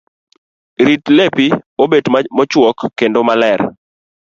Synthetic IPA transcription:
ɾitlepiobetmmɔt͡ʃwɔkːendomalɛɾ

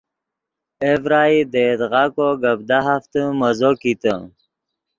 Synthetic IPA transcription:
evɾaːid̪ed̪ɣakoɡəbd̪aɦaft̪əməzokit̪ə̰

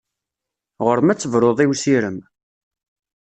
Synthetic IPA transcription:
ʁəɾmæt͡sːəvɾˤoðˤiwsiɾəm

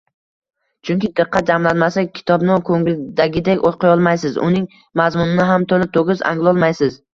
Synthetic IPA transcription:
t͡ʃʰʊŋkʲɪd̪ɨqʰːɑt̪̚d͡ʒamlanmasakʲʰɪ̥t̪ʰɒbnɪkʰoŋld̪aɡʲɪd̪ekʲot̪qʰɨjɒlˠmajsɪzʊ̰nɪŋ | mazmʊnɪnɪɦamt̪ʰolɪt̪ʰoɡʲɪza̰ŋlˠɒlˠmajsɪz

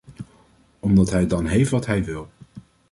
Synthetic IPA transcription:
ɔmdɑtɦɛjdɑnɦejftʋɑtɦɛjʋɪlˠ

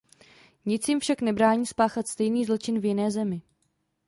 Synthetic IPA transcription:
ɲɪt͡sjɪmfʃaknɛbɾaːɲiːspaːxat̪st̪ɛjniːzlot͡ʃɪnvjɪnɛːzɛmɪ

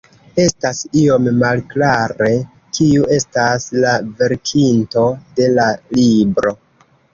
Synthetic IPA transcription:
e̞stasio̞mːalklaɾe̞ | kiuʔe̞staslave̞ɾkʰinto̞de̞lalibɾo̞

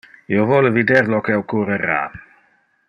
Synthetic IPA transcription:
jɔvoləvidɛrlɔkɛwkʰuɾəɾa̰ː

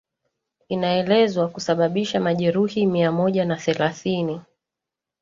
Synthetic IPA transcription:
inaɛlɛzwakusaɓaɓiʃamaʄɛɾuhimiamɔʄanaθɛlaθini

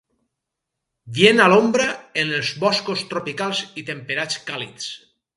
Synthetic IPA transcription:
bjenalombɾəenelˠzβɔskost̪ɾopikalˠzit̪empeɾat͡skalḭtt͡s

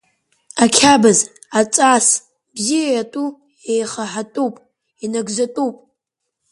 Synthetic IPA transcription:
akʲʰabaz | at͡sʼas | bzijajatʼu | ejχaħatʼupʼ | inaɡzatʼupʼ

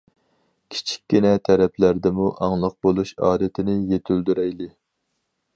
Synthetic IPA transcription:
kʲʰi̥t͡ʃʰi̥kʲːinɛt̪ʰɛɾɛpʰlæɾd̪ɪmuʔɑŋlˠəq̚bolˠuʃɑ̰ːd̪ɨt̪ʰɪnɪjet̪ʰyld̪yɾɛjlɪ

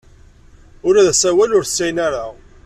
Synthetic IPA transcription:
ʊɾæðæsæwælʊɾθsːæjnæɾa

